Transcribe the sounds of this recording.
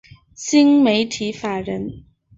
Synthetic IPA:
ɕi˥ŋme˨˧˥ɪt̪ʰi˨˥fa˨˩ɻə˨˥n

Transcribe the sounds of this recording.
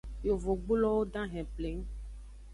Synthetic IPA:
jo˨vo˨ɡ͡bo˦lɔ˦wo˦ɖã˦ɦɛ̃˨ple˨ŋ˦

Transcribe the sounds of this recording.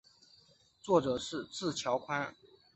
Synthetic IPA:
t͡swɔ˥˩ʈ͡ʂɤ˨˩ʂɻ̩˥˧t͡sɹ̩˥˩t͡ɕʰjɑ˧˥ʊkʰwa˥n

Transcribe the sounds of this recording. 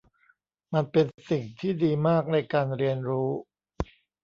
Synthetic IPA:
ma˧npe˧nsi˨˩ŋt̪ʰiː˥˩diː˧maː˥˩k̚nɤ˧jkaː˧nɾi˧ənɾuː˦˥

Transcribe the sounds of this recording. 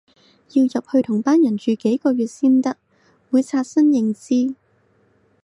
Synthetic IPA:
jiː˧wjɐ˨p̚hɵ˧t̪ʰʊ˨˩ŋpaː˥njɐ˨˩nt͡ʃyː˨˧ke˨˥jkɔː˧ɥyː˨˩t̚siː˥nt̪ɐ˥k̚ | wuː˨˧jt͡sʰaː˧t̚sɐ˥njɪ˨˧ŋt͡siː˥

